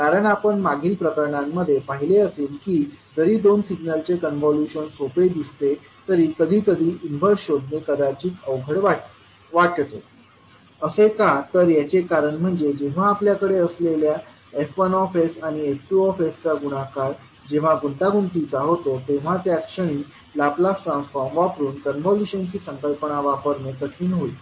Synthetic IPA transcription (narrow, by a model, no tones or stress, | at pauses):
kaɾəɳapəɳmaɡiːlpɾəkəɾəɳamːəd̪ʱːjepaɦileəseːlkiːd͡zəɾiːd̪onsiɡnəlt͡sekənʋɔljuɕənsoped̪ist̪e | t̪əɾiːk̪əd̪ʱiːk̪əd̪ʱiːʔinʋəɾɕod̪ʱnekəd̪at͡ɕiːt̪əwɡʱəɽʋa | ʋaʈt̪o | əsekat̪əɾjat͡sekaɾəɳm̤əɳd͡zed͡ʑeʋ̤aːpljakəɽeəslelja | efʋənɔfesaɽ̃iefʈuɔfest͡saɡuɽ̃akaɾ | d͡ʑeʋ̤aɡunt̪aɡunt̪it͡saɦot̪ot̪eʋ̤at̪jakʂəɽ̃iː | laplasʈɾãnsfɔɾmʋapɾuːnkənbɔluɕənt͡ɕiːsəŋkəlpəɳaʋapəɾnet̪ək̪ʰiːnɦoiː